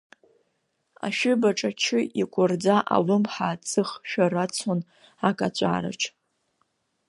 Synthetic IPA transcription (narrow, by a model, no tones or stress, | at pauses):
a̰ʃᶣʏbaʈ͡ʂʼat͡ʃʰɪʔikʷʼʊrd͡zaʔa̰lɨmħaːt͡sʼɨχʃᶣarat͡sʰon | akʼat͡ɕʷʼa̰ːɾa̰t͡ʃʰ